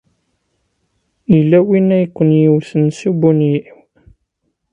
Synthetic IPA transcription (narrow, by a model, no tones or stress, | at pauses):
ilːæwinːæjkʷːənjiwθənsibuniiw